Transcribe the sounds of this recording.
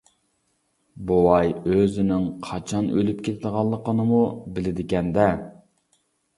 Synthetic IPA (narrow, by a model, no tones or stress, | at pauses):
bowɑjøzɪnɪŋqʰɑt͡ʃʰɑnølyp̚kʲet̪ʰɪd̪əʁɑlˠːəqənɨmubɪlɪd̪ɪkʲɛnd̪ɛ